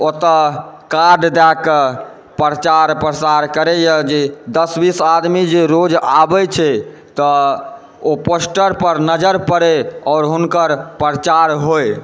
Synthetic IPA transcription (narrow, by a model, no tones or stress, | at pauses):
ot̪əkaɾɖd̪akə | pɾət͡ʃaɾpɾəsaɾkəɾɛjəd͡ʒed̪əsbisad̪mid͡ʒeɾod͡ʒabɛt͡ʃʰɛ | t̪ɔ | oposʈəɾpəɾnəd͡ʒəɾpəɾeɔːɾɦunkəɾpɾət͡ʃaɾɦoj